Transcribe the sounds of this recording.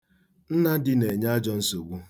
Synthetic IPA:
n̩˦na˦dɪ˦ne˨ɲa˦a˦d͡ʒɔ˦n̩˦so˨ɡ͡bu˦

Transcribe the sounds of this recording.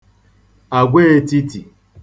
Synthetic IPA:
a˨ɡʷe˦e˦ti˦ti˨

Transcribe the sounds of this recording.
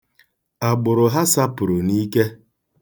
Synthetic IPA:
a˨ɡ͡bʊ˨ɾʊ˨ɦa˦sa˦pʊ˨ɾʊ˨ni˦ke˦

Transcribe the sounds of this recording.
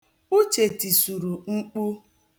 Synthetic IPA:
u˦t͡ʃe˨ti˨su˨ɾu˨ŋ͡m̩˦k͡pu˦

